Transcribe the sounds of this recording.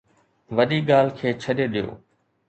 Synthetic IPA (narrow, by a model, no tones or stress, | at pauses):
ʋɐɗiːɠaːl̤kʰeːt͡ɕʰɐɗeɗɪjo̰ː